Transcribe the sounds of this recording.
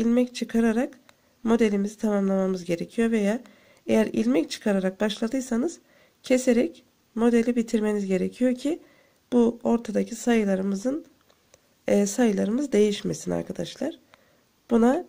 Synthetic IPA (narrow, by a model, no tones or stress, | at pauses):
ilʲmɛct͡ʃʰɯkʰaɾaɾak | mo̞d̪e̞lʲimizit̪ʰamamlˠamamɯzɟe̞ɾe̞cʰijo̞ɾve̞jaː | e̞jæɾḭlʲmɛct͡ʃʰɯ̥kʰaɾaɾak̚baʃlˠad̪ɯjsanɯz̥ | cʰe̞seɾɛc | mo̞d̪e̞lʲibit̪ʰiɾme̞nizɟe̞ɾecʰijo̞ɾcʰi | b̥uo̞ɾt̪ʰad̪acʰisajɯlˠaɾɯmɯzɯn | sajɯlˠaɾɯmɯzd̪e̞jiʃme̞sina̰ɾkʰad̪aʃlˠaɾ̥ | b̥una